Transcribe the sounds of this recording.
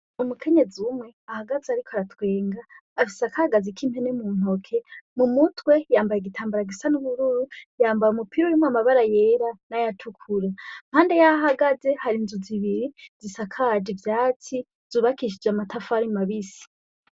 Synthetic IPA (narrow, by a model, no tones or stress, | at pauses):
umukʰe̞ɲe̞d͡ziumŋe̞ahaɡazeaɾikʰoaɾatʰwe̞ːŋɡaːfisakahaɡazikʰimhenemuːn̥okʰe̞mumutwe̞jaːmbajeɡitʰaːmbaɾaɡisanuβuɾuɾujaːmbajumupʰiɾojimoamaβaɾaje̞ːɾanajatʰukʰuɾam̥haːnde̞jaɦaɡaze̞haɾinzuziβiɾizisakʰad͡ʒivjaːti | z̥uːβakiʃ̬id͡ʒamatafaɾimaβisi̥